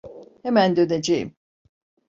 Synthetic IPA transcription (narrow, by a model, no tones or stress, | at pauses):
hemænd̪øned͡ʒejḭm